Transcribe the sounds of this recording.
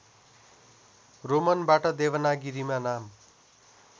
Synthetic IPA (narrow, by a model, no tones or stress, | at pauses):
romʌnbaʈʌd̪eβʌnaɡiɾimanam